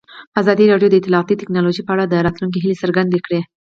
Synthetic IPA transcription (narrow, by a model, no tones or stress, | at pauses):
əazɑd̪iɾɑɖjod̪əɪt̪ɪlɑːt̪it̪ɪknɑloʒipəaɽad̪əɾɑt̪lunk̬eɦɪlesəɾɡand̪ekɽe